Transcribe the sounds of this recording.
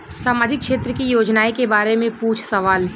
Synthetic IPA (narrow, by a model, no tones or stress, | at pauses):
saːmaːd͡ʒɪkːʃeːt̪ɾəkijoːd͡ʒnaːikebaːɾemẽpuːt͡ʃʰsɐʋaːl